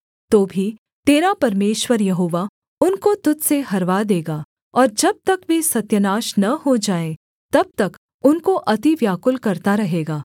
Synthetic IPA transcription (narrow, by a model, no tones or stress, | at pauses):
t̪oːbʱi | t̪eːɾapɐɾmeːʃwəɾjɐɦoːʋa | ʊnkot̪ʊt̪seɦɐɾʋad̪eːɡaː | ɔːɾd͡ʒɐb̚t̪ɐkʋesɐt̪jənaːʃnɐɦod͡ʒaːẽ | t̪ɐb̚t̪ɐk | ʊnkoʔɐt̪iʋjaːkʊlkɐɾt̪aɾɐɦeːɡaː